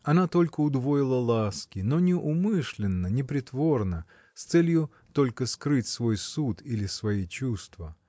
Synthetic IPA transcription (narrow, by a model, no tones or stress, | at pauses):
ɐnat̪o̞lʲkəʊd̪vo̞jɪlˠəlˠaskʲɪno̞nʲɪʔʊmɨʂlʲɪnːənʲɪpɾʲɪt̪vo̞rnə | st̪sɛlʲjʊ | t̪o̞lʲkəskɾɨtʲsvo̞jsut̪ilʲɪsvɐit͡ɕust̪və